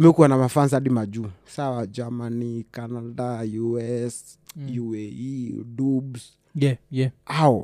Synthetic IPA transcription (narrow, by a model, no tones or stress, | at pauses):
mɛkuanamafans̬aɗimad͡ʒusawad͡ʒamanikanadajuɛs | juɛidubs | aɔ